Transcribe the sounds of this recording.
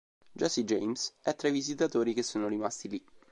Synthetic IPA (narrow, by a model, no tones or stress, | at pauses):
d͡ʒɔsid͡ʒejmsɛt̪ːɾajvizit̪at̪oːɾik̟esːoːnoɾimast̪ili